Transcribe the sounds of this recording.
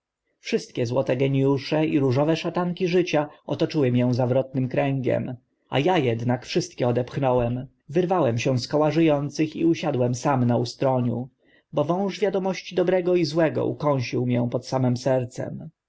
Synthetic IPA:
fʂɘst̪̚kʲɛzwɔt̪ɛɡɛɲijuʂɛiɾuʐɔvɛʂat̪aŋkʲiʐɘt͡ɕaɔt̪ɔt͡ʂɘwɘmʲjɛ̃w̃zavɾɔt̪̚nɘmkɾɛŋɡɛ̰m | a̰jajɛd̪nakfʂɘst̪̚kʲɛɔd̪ɛpxnɔwɛm | vɘɾvawɛmɕɛ̃w̃skɔwaʐɘjɔnt̪sɘxḭuɕad̪wɛmsamnaust̪ɾɔɲṵ | bɔvɔ̃w̃ʐvʲjad̪ɔmɔɕt͡ɕid̪ɔbɾɛɡɔizwɛɡɔ̰ʔṵkɔ̃w̃ɕiwmjɛ̃pɔt̪samɛmsɛɾt̪sɛ̰m

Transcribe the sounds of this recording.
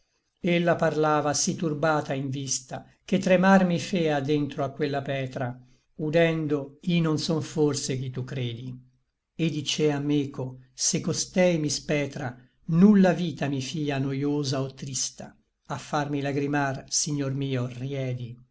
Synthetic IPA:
elːaparlaːvasit̪ːurbaːt̪aiɱvist̪a | k̟et̪ːɾemarmifɛːad̪ent̪ɾoakːwelːapɛːt̪ɾa | ud̪ɛnd̪oiononsɔɱforsekit̪ːukːɾeːd̪i | ed̪ːit͡ʃeamːekʰosekːost̪ɛjmispɛːt̪ɾa | nulːaviːt̪amifiːanojoːzaot̪ːɾist̪a̰ | afːarmilaɡɾimarsiɲːormiːorjɛːd̪i

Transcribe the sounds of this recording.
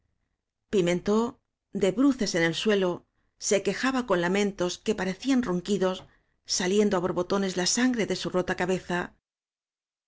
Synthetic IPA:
pimẽ̞nt̪o̞ | d̪e̞βɾuθe̞se̞ne̞lswe̞lo̞ | se̞ke̞xaβako̞nlamẽ̞nt̪o̞ske̞paɾe̞θianruŋkiðo̞sː | alje̞nd̪oaβo̞ɾβo̞t̪o̞ne̞zlasaŋɡɾe̞ðe̞suro̞t̪akaβe̞θa

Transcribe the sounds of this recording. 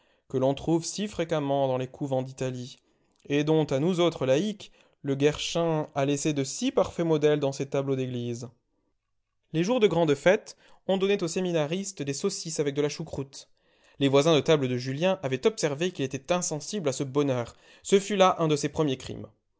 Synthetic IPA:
kəlɔ̃t̪χuvsifχekamɑ̃d̪ɑ̃lekʰuvɑ̃d̪it̪ali | ed̪ɔ̃t̪anuzot̪χəlaik | ləɡɛʁʃɛ̃alesed̪əsipaʁfɛmɔd̪ɛld̪ɑ̃set̪ablod̪eɡliz | leʒuʁd̪əɡʁɑ̃d̪fɛt̪ | ɔ̃d̪ɔnet̪oseminaʁist̪d̪esɔsisavɛk̚d̪əlaʃukχut̪ | levwazɛ̃d̪ət̪abləd̪əʒyljɛ̃ʔavɛt̪ɔpsɛʁvekʲilet̪ɛt̪ɛ̃sɑ̃siblasəbɔnœːʁ | səfylaʔɛ̃d̪əsepχəmjekχḭm

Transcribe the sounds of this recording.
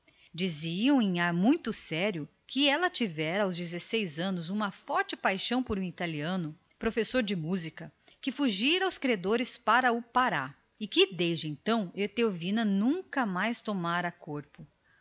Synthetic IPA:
d͡ʒiziɐ̃w̃ẽaɾmũj̃t̪ʊsɛɾjʊ | kɪɛlɐt͡ʃivɛɾɐawzd͡ʒizesejzɐ̃nʊzũmɐfɔɾt͡ʃɪpajʃɐ̃w̃poɾũit̪aliɐ̃nʊ | pɾofesoɾd͡ʒɪmuzikɐkɪfuʒiɾɐawskɾiad̪oɾɪspaɾɐʊpaɾa | ɪkɪd̪ezd͡ʒɪẽnt̪ɐ̃w̃et̪eovĩnɐnũŋkɐmajst̪omaɾɐkoɾpʊ

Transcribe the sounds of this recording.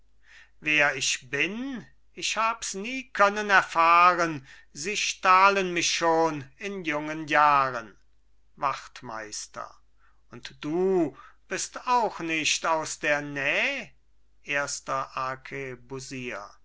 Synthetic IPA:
veːɐɪʃb̥ɪn | ɪçhaːbəsniːkʰœnənɛɐfaːʁən | ziːʃtaːlənmɪçʃoːnɪnjʊŋənjaːʁən | vaχtma̰ɪstɐ̰ | ʊntd̥uːb̥ɪstaʊxnɪʃtaʊsd̥eːɐnɛːə | ʔeːɐstɐʔaɐkʰebuziːɐ̰

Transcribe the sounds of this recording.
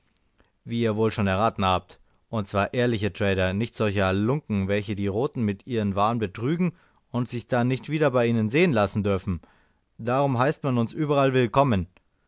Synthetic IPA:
viːiːɐvoːlʃoːnɛɐʁaːtn̩haːp̚t | ʔʊnt̚t͡sv̥aːɐʔeːɐlɪçətʁ̥ɛːɾɐnɪçtz̥ɔlçɐɛɐlʊŋkŋ̩vɛlçədiːʁoːtn̩mɪtʔiːʁənvaːənbətʁ̥yːɡŋ̩ | ʊntz̥ɪçd̥anːɪçtv̥iːdɐbaɪiːnənzeːənlasn̩dʏɐfn̩ | d̥aːʁ̞ʊmɦaɪstmanʊnsʔyːbɐʁalvɪlkʰɔmən

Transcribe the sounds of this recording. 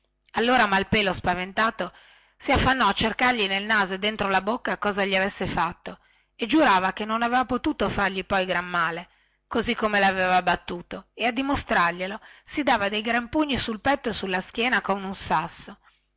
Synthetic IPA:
alːoːɾamalpeːlospavent̪aːt̪o | siafːanːɔat͡ʃːerkarʎinelnaːzoed̪ent̪ɾolabokːakɔːzaʎiavesːefat̪ːo | ed͡ʒuɾaːvakenːonavevapot̪uːt̪ofarʎipɔjɡɾamːaːle | kozikːomelaaveːvabat̪ːuːt̪oead̪ːimost̪ɾarʎelosid̪aːvad̪ejɡɾampuɲːisulpɛt̪ːoesulːaskjɛːnakomunsasːo

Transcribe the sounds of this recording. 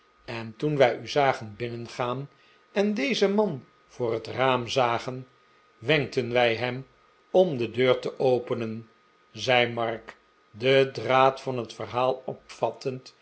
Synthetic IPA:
ɛntunʋɛjyzaːχənbɪnənχaːn | ɛndejzəmɑn | v̥ʊːrɦətraːmzaːχən | ʋɛŋk̚tənʋɛjɦɛm | ɔmdədøːɹtəʔowpənən | zɛjmɑɹk | dədraːtfɑnɦətfərɦaːlˠɔpfɑtənt

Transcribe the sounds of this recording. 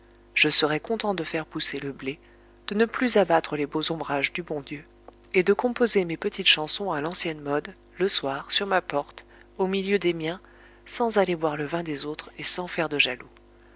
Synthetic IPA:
ʒ̥əsəʁɛkɔ̃t̪ɑ̃d̪əfɛʁpuseləble | d̪̥ənəplyzabat̪χəlebozɔ̃bʁaʒd̪ybɔ̃d̪jø | ed̪əkɔ̃pozemepət̪ʰit̪ʃɑ̃sɔ̃alɑ̃sjɛnmɔd̪ | ləswaʁsyʁmapɔʁt̪ | omiljød̪emjɛ̃ | sɑ̃zalevwaʁləvɛ̃d̪ezot̪χesɑ̃fɛʁd̪əʒalu

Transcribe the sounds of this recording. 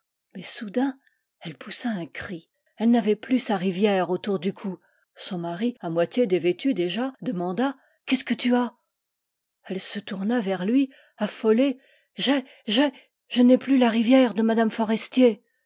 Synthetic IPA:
mɛsud̪ɛ̃ | ɛlpʰusaɛ̃kχi | ɛlnavɛplysaʁivjɛʁot̪uʁd̪ykʰu | sɔ̃maʁiamwat̪ʲjed̪evet̪yd̪eʒad̪əmɑ̃d̪a | kʲɛskət̪ya | ɛlsət̪uʁnavɛʁlɥi | afɔle | ʒɛ | ʒɛ | ʒ̥ənɛplylaʁivjɛʁd̪əmad̪amfɔʁɛst̪je

